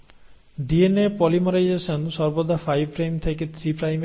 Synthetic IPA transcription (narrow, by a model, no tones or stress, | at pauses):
ɖienepɔlimɔɾajd͡ʒesɔnsɔɾbɔd̪ʱafʰajbpɾejmt̪ʰeket̪ʰɾipɾajm